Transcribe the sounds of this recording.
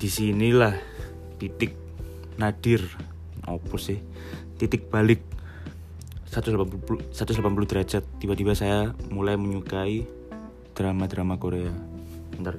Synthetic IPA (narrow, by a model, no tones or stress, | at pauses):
d̥isinilah | t̪it̪ɪk̚ | nad̥ɪr | ʔɔ̰pɔsɪh | t̪it̪ɪk̚b̥alɪk̚ | sat̪ʊslapanpupulsat̪ʊslapanp̬ulud̪əɾad͡ʒat̪ːibat̪ibasajamulajməɲukai | d̪̥ɾamad̪ɾamakoɾea | ənt̪ar